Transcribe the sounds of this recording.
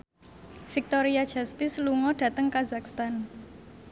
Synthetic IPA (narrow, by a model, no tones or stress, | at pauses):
fik̚t̪ɔɾiad̥ʒ̥ast̪ɪsluŋɔɖ̥ä̤t̪əŋkazakst̪an